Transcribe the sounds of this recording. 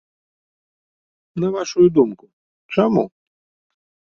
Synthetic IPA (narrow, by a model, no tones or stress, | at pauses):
nɐvaʂujud̪umkʊ | t͡ʂamu